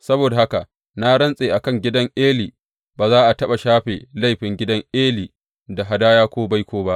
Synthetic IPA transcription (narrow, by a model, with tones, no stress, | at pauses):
sɐ˦boː˨da˨ha˦ka˨ | na˦ɽɐ˦nsʼeː˨ʔa˨kɐ˦˨ŋɡʲɪ˦dɐ˦ŋʔeː˦liː˨ | baː˨zaː˦ʔa˨tɐ˦ɓa˨ʃaː˦ɸeː˨la˦jɸɪ˨ŋɡʲɪ˦dɐ˦ŋʔeː˦liː˨ | da˨ɦa˨daː˦jaː˦kʷoː˦ba˦jkʷʰoː˦ba˦ʔ